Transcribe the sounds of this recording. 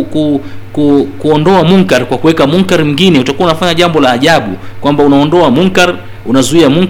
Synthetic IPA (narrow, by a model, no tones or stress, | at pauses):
kukukuɔndɔamuŋkaɾkwakuwɛkamuŋkaɾim̩ɡinɛutakuaunafaɲaʄambɔlaːʄaɓṵkwambaunaɔndɔamuŋkaɾ | unazuiamuŋ